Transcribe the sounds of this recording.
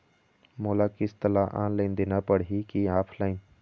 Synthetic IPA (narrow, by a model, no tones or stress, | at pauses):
moːlakist̪əlaʔa̰ːnlaɪnd̪ɪnapəɽɦikiaːpʰlaːɪn